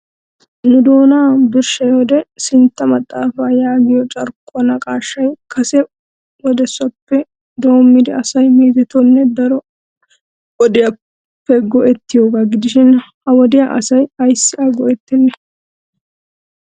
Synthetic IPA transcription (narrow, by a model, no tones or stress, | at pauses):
nʊd̪o̞ːnaːbɪɾʃɐjɔd̪ɛsɪnt̪ːɐmɐt̪ʼːaːfaːjaːɡɪjɔt͡ʃʼɐɾkʼːɔnɐkʼaːʃːɐjkʰɐsɛ | wɔd̪ɛsːɐpːɛ | d̪o̞ːmːɪd̪ɛɐsɐjmeːt̪ɛt̪ɔnːɛd̪ɐɾɔ | ɔd̪ɪjɐ | pːɛɡɔʔɛt̪ːɪjoːɡaɡɪd̪ɪʃɪnhɐwɔd̪ɪjaʔɐ̰sɐjɐjsːɪʔaɡɔʔɛt̪ːɪnːɛ